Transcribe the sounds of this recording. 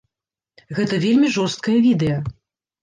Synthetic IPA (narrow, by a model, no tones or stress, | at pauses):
ɣɛt̪ɐvʲelʲmʲiʐɔst̪̚kɐjɐvʲid̪ɛjɐ